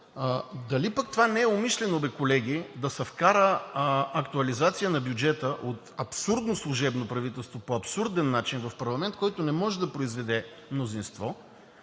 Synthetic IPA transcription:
d̪ɐlipɐk̚t̪ovanɛɛomiʃlɛnobɛkolɛɡ̟id̪ɐsɐfkaɾəɐkt̪uɐlizat̪sijənɐbjʊd͡ʒɛt̪əʔot̪ɐpsuɾd̪noslˠʊʒɛbnopɾɐvit̪ɛlˠst̪vopoɐpsuɾd̪ɛnːat͡ʃinvɐfpɐɾlˠɐmɛnt̪̚kɔjt̪onɛmɔʒɛd̪ɐpɾoizvɛd̪ɛ | mnozinst̪vɔ

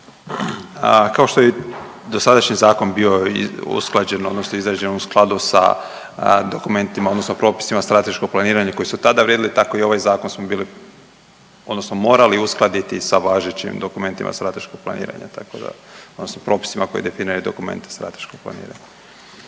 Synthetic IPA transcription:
kaoʃt̪oje | d̪osad̪aʃɲizaːko̞nbio̞ṵsklˠad͡ʑenod̪nosnoizɾad͡ʑe̞nusklˠad̪usa̰ | d̪o̞kume̞nt̪imaod̪no̞snopɾo̞ːpi̥simast̪ɾat̪e̞ʃkoɡ̚plˠaniːɾaɲako̞jisut̪ad̪aʋɾjed̪ilit̪ako̞io̞ʋajzaːko̞nsmobiːli | od̪no̞snomo̞ːɾaliusklˠad̪it̪isaʋaːʒet͡ɕḭmd̪o̞kume̞nt̪imʔa̰st̪ɾat̪e̞ʃkoɡ̚plˠanḭːɾa̰ɲa̰t̪akod̪a̰od̪nosnopɾo̞ːpi̥simako̞jḭd̪e̞finiɾajud̪o̞̰kumḛnt̪est̪ɾa̰t̪e̞̥ʃkoɡ̚plˠa̰nḭːɾa̰ɲa

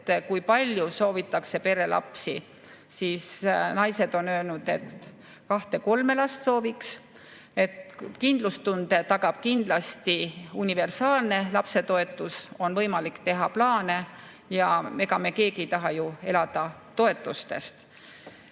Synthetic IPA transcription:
kujpɑlʲjuso̞ːvit̪ːˑɑkse̞pe̞ɾe̞lʔɑ̰psi | siːsnɑjse̞d̪̥o̞nø̞ːlnud̪̥e̞t̪ | kɑht̪e̞ko̞lme̞lɑst̪so̞ːviks | e̞t̪kind̪̥lust̪und̪e̞t̪ɑɡɑb̥kind̪̥lɑst̪iunʲive̞rsɑːlne̞lɑpse̞t̪o̞e̞t̪ːˑuso̞nvɤjmɑlikt̪e̞ɦɑplɑːne̞ | jɑme̞kɑme̞ke̞ːɡ̥ijt̪ɑɦɑjue̞lɑd̪̥ɑ | t̪o̞e̞t̪ːˑust̪e̞st̪

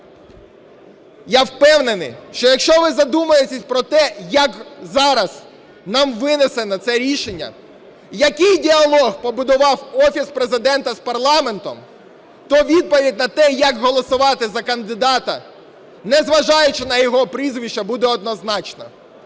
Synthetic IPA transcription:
jawpɛwnenɪ̰jʃt͡ʃɔjɐkʃt͡ʃɔʋɪzɐd̪umɐjet̪ʲesʲpɾɔt̪ɛjɐkzɑɾɐz | nɑmʋɪnesɛnɐt̪sɛɾʲiʃenʲːɐ̰ | jɐkɪjdʲiɐlˠɔɣpɔbʊd̪ɔʋɑwɔfʲispɾe̞zɪd̪ɛnt̪ɐspɐrlˠɑme̞nt̪ɔ̰m | t̪ɔʋʲid̪̚pɔʋʲidʲnɐt̪ɛjɐkɦɔlˠɔsʊʋɑt̪ɪzɐkɐnd̪ɪd̪ɑt̪ɐ̰ | nɛzʋɐʒɑjʊt͡ʃɪnɐjɔɦɔpɾizʋʲiʃt͡ʃɐbud̪ɛɔd̪nɔznɑt͡ʃnɐ̰

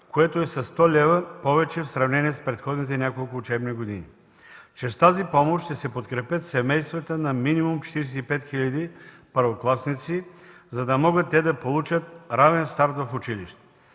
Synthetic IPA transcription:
koɛt̪oɛsɐst̪ɔlʲɛvəpɔvɛt͡ʃɛfsɾɐvnɛniɛspɾɛt̪xɔd̪nit̪̬ɛnʲjakolˠkʊːt͡ʃɛbniɡod̪inḭ | t͡ʃɛst̪azipɔmoʃt̪ɛsɛpot̪kɾɛpʲət̪sɛmɛjst̪vət̪ənɐminimumt͡ʃɛ̥t̪iɾɛs̬ɛipɛt̪xilʲɐd̪ipəɾvoklˠasnit̪sizɐd̪ɐmɔɡət̪ːɛd̪ɐpolˠut͡ʃət̪̚ɾavɛnst̪aɾt̪vɐfʊt͡ʃiliʃt̪ɛ̥

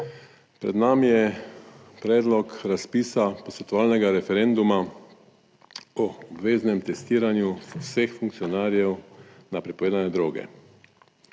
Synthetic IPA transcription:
pɾɛ̰d̪namijɛ | pɾɛːd̪lɔkɾaspiːsapɔsʋɛt̪ɔʋaːlnɛɡaɾɛfɛɾɛnd̪uma | ɔɔbʋeːznɛmt̪ɛst̪iːɾanjuwsexfuŋkt̪siɔnaːɾjɛwnapɾipɔʋeːd̪anɛd̪ɾoːɡɛ̰

